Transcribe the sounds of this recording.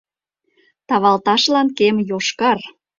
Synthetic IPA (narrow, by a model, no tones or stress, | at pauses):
t̪ɑβɑlt̪ɑʃlɑnkemjoʃkɑr